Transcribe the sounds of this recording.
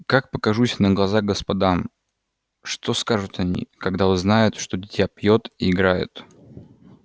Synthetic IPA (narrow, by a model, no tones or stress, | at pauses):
kak̚pəkɐʐusʲnəɡlˠɐzaɣɡəspɐd̪am | ʂt̪o̞skaʐʊt̪ɐnʲḭkɐɡd̪aoznajʊt̪ʂt̪odʲɪtʲjapjot̪iɪɡɾajʊ̰t̪